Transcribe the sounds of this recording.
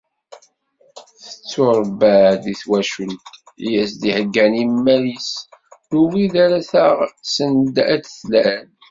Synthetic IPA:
θə̥t͡sːoɾˤbæd̪iθwæʃəlt̪ | ijæsd̪ihəɡːænimːælisðuwiðæɾæθəʁsənd̪æd̪θlæn

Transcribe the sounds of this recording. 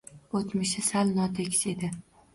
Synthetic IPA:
ot̪mɪʃɪsalnɒt̪ʰekʲsed̪ɪ

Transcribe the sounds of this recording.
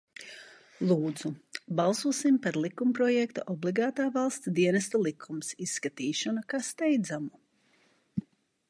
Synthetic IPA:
lˠuːd̪zubalˠsuɔsimpaɾlˠikumpɾɔjɛkt̪uʔɔbliɡaːt̪aːvalˠst̪sd̪iɛnɛst̪alˠikʰumsisːkat̪iːʃɔnakast̪ɛjd̪zamu

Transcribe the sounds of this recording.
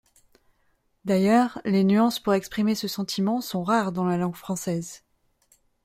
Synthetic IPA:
d̪ajœːʁlenyɑ̃spuʁɛkspχimesəsɑ̃t̪ʰimɑ̃sɔ̃ʁaʁd̪ɑ̃lalɑ̃ɡfχɑ̃sɛz

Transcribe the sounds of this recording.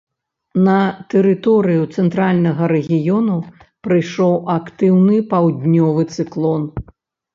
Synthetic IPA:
nɐt̪ɛɾɨt̪ɔɾɨjut̪sɛnt̪ɾalʲnɐɣɐɾɛɣʲijɔnupɾɨjʂɔwʔakt̪ɨwnɨpawd̪ʲnʲɔvɨt̪sɨklˠɔn

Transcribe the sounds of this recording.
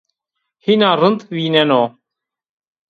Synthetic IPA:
hinaːɾənt̪ʋiːnɛnoː

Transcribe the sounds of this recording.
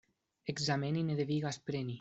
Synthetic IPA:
eɡzamenineðeβiɣaspɾeni

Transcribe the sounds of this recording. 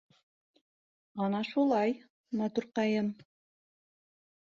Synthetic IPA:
ɑnɑʃulˠɑj | mɑt̪uɾqɑjɤm

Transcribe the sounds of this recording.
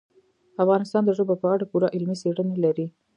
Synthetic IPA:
afɣɑnɪst̪ɑnd̪əʒəbopəaɽapuɾaʔɪlmiseɽənelaɾi

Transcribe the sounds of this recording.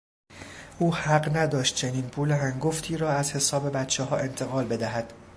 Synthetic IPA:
ʔuːhæɢnæd̪ɒːʃt̪̚t͡ʃʰe̞niːnpʰuːleɦæŋɡoft̪ʰiːɾɒːæzhe̞sɒːbe̞bæt̪t͡ʃʰeɦɒːʔe̞nt̪ʰe̞ɣɒːlbe̞d̪æɦæd̪̥

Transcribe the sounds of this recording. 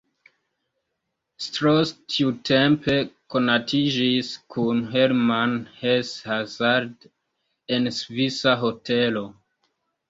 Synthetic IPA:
stɾostʰiutʰempe̞ko̞natʰid͡ʒiskʰunɦeɾmanheshazaɾd | ensvisaɦotʰe̞lo̞

